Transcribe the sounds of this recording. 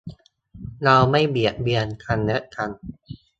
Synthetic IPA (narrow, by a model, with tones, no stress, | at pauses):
na˧wma˥˩jbi˨˩əʔ̚bi˧ənk̪ʰa˧nːɯ˦˥ʔk̪ʰa˧n